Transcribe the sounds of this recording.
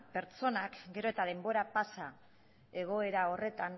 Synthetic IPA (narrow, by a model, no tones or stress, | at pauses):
pe̞ɾt͡so̞nakɡe̞ɾoe̞t̪aðe̞mbo̞ɾapasa | e̞ɣ̞o̞e̞ɾao̞re̞t̪an